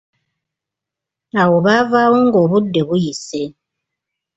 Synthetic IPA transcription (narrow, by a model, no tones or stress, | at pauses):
awoβavaβoŋɡoβudːeβujise